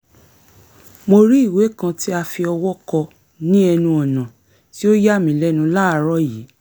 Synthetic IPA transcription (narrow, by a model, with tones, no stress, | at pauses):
mo˧ɾi˦i˦˨we˨˦kã˧ti˦a˧fi˧ɔ˧wɔ˦kɔ˧ | nĩ˦ɛ˧nũ˧ɔ˨nã˨ | ti˦o˦ja˦mĩ˨˦lɛ˦nũ˧la˦˨˦ɾɔ˦jiː˨˦